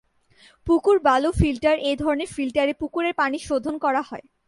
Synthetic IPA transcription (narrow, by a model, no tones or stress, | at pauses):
pukuɾbalofilʈaɾejd̪ʱɔɾoneɾfilʈaɾepukuɾeɾpaniʃod̪ʱonkɔɾaɦɔe